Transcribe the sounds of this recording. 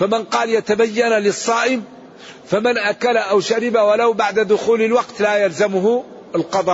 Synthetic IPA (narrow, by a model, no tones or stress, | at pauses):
famɪnqɑːljat̪abajːanlɪsˤːɑːʔɪm | famɪnʔakalaʔawʃaɾɪbawalawbaʕd̪ad̪ʊxuːlɪlwɑqt̪lajalzamʊɦʊ | ɪlqɑd̪ˤɑː